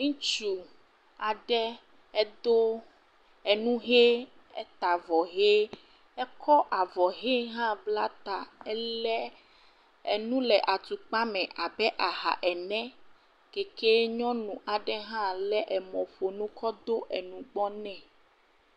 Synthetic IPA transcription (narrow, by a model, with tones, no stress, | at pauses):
ŋũ˦t͡ʃu˨ | a˨ɖɛ˦ | ɛ˦d̪o˦ | ɛ˨nũ˦ɦe˦ | ɛ˦t̪a˨vɔ˨ɦe˦ | ɛ˦kʰɔ˦ʔa˨vɔ˨ɦe˦ɦã˦bla˦t̪a˨ɛ˦lɛ˦ | ɛ˨nũ˦lɛ˨ʔa˨t̪u˨k͡pa˦mɛ̃˨ʔa˨bɛ˦ʔa˨ɦa̰˨ʔɛ˨nɛ̃˦ | ke˨ke˦ɲɔ̃˦nũ˨ʔa˨ɖɛ˦ɦã˦lɛ˦ʔɛ˨mɔ̃˨ɸo˨nũ˦kʰɔ˦d̪o˦ʔɛ˨nũ˨ɡ͡bɔ˦nɛ̃˨